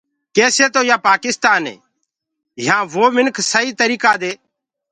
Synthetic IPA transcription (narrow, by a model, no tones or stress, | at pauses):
keːseːt̪oːjaːpaːkɪst̪aːnḛː | ɦãːʋoːmɪnkʰsəiːt̪əɾiːkaːd̪eː